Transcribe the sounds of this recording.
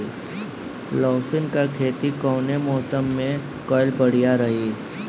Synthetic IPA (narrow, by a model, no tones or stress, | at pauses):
lɔːsɪnkakʰeːt̪ikɔːnemɔːsəmːẽ | kɔːɪlbɐɽ̤ijaɾɐɦiː